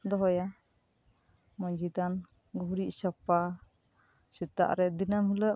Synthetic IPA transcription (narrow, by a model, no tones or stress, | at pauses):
d̪ɔɦɔja | mɔɲd͡ʒid̪an | ɡɔɦuɾiʔsapa | sit̪a̰ʔɾɛd̪inamhiləʔ